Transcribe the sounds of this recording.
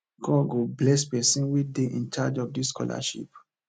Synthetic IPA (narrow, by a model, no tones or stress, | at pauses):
ɡ̥ɔɡoblɛspɛsĩnwideʔĩnt͡ʃad͡ʒɔvdiskʰɔ̰la̰ʃḭp̚